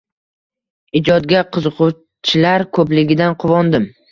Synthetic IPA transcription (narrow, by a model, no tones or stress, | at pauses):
ɪd͡ʒɒd̪̚ɡʲaqʰɨzɨqʰʊ | t͡ʃʰɪlaɾkʰɵplɪɡʲɪd̪anqʰʊvɒnd̪ɪm